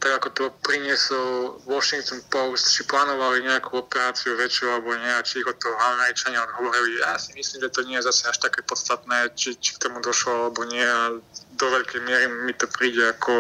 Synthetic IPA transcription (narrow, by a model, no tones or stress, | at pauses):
t̪aɡakɔt̪ɔpɾiɲɪɛsɔlʋɔʃiŋk̚t̪ɔnpɔʊst̪t͡ʃiplaːnɔʋaliɲɛakʰuɔpɛɾaːt͡siuɾɛt͡ʃɔalɛbɔɲɛat͡ʃiɣɔt̪ɔamɛɾit͡ʃaɲɛɔd̪ɦɔʋɔɾilijaːsimisliːmʒɛt̪ɔɲɪɛjɛzasɛaʃt̪akɛːpɔt̪st̪at̪nɛːt͡ʃit͡ʃi̥kt̪ɔmud̪ɔʃlɔalɛbɔɲɪɛad̪ɔʋɛʎkɛjmɪɛɾimit̪ɔpɾiːɟɛakɔ